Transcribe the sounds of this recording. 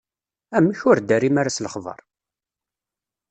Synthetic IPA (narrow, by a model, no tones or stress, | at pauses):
æmːəçʊɾd̪æɾimaɾasləχðˤɑ̰ɾˤ